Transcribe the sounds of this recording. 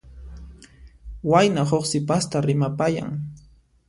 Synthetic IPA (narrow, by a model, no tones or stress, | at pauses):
wajnaɦoχsɪpast̪aɾɪmapaja̰ŋ